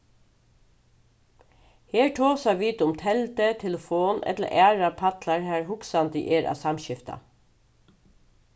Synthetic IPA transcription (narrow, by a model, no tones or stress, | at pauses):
heːɹʈʰoːsaʋiːt̪ʊmt̪ʰɛlt̪ət̪ʰɛləfoːnɛ̰t̪lə̰ʔæːɹapʰat̪laɹhæːɹɦʊksand̪ə̰ʔeːɹʔa̰ːsamʃɪft̪a̰